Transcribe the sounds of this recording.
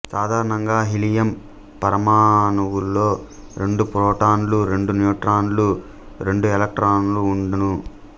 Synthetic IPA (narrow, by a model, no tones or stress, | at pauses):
saːd̪ʱaːɾɐnɐŋɡaːɦilijɐm | pɐɾɐmaːnɐwulːoː | ɾe̞ɳɖupɾoːʈaːnluɾe̞ɳɖunjuːʈɾaːnlu | ɾe̞ɳɖuelɐk̚ʈɾaːnuluːɳɖɐnu